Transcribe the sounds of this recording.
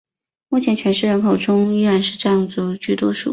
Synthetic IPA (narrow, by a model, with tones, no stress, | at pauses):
mu˥˩t͡ɕʰjɛ˧˥nt͡ɕʰɥɛ˧˥nʂɻ̩˥˩ɻə˧˥nkʰo˨˩ʊʈ͡ʂʰʊ˥ŋi˥ɻa˧˩˦nʂɻ̩˥˧ʈ͡ʂɤ˥˧jɑ˥˩ŋt͡sə˧˩t͡ɕy˥˩t̪wɔ˥ʂṵ˥˩